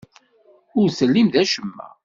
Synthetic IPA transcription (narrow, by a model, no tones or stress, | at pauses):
ʊɾsəlːimðæʃəmːæ̰